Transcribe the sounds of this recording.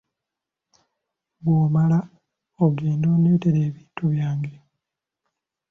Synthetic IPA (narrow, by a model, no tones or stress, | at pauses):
βwoːmala | oɡeːndo̞ːneːteɾeːβiːntuβjaːŋɡe